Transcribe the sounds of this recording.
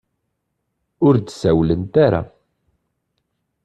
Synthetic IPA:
ʊɾd̪sæwlənt̪aɾa̰

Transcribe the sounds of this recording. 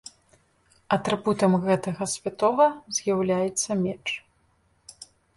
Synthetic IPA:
ɐt̪ɾɨbut̪ɐmɣɛt̪ɐɣɐsʲvʲat̪ɔvɐzʲjawlʲajɛt̪sːɐmʲɛt͡ʂ

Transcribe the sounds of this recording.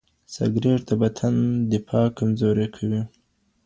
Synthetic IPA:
sa̰ɡɾeɾt̪abat̪ʰand̪ɪfɑkamzoɾekʰawi

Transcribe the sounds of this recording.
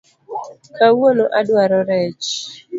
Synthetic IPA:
kawonoʔadwaɾɔɾɛt͡ʃ

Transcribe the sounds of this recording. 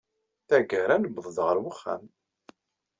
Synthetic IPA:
θæɡəɾænəbðˤðʁəɾwəχːæ̰m

